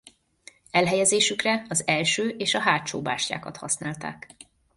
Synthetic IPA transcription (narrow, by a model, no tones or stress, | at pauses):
ɛlɦɛjɛzeːʃykrɛɒzɛlʃøːʔeːʃɒɦaːt͡ʃoːba̰ːʃja̰ːkɒt̪hɒ̰snaːlt̪a̰ːk